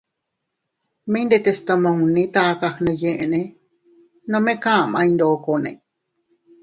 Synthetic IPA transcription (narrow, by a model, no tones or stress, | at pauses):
mẽĩnd̪et̪est̪omõũnĩt̪akahnẽjẽʔẽnẽ | nõmẽkãmãĩnd̪oːkonḛ̃